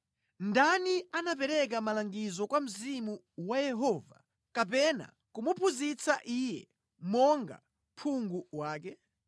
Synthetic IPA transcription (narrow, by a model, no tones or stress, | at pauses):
ndanianap̬ɛɾɛk̬amalaŋɡizɔkwam̩zimu | wajɛɦɔːva̰ | kapɛna̰ | kumupʰuzit͡saʔijɛ | mɔŋɡa̰ | pʰuŋɡuwaːk̬ɛ